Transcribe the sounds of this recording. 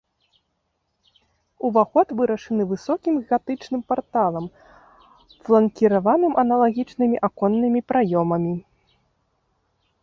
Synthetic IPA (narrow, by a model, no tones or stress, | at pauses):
uvaxɔt̪vɨɾɐʂɨnɨvɨsɔkʲimɣat̪ɨt͡ʂnɨmpart̪alˠɐm | flˠɐnkʲiɾavanɨmʔɐnɐlˠaɣʲit͡ʂnɨmʲiʔakɔnːɨmʲipɾʔajɔmɐmʲi